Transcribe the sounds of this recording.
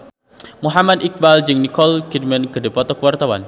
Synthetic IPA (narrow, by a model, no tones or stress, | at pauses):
muɦamad̪ik̚bald͡ʒɨŋnikɔlkid̚mənkədipɔt̪ɔkəwart̪awan